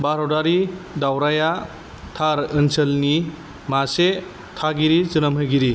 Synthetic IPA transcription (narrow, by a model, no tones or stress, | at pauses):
baɾodaɾidawɾaja | tʰaɾɯnsəlni | mase | tʰaɡiɾizɯnɐmɦɯjɡiɾi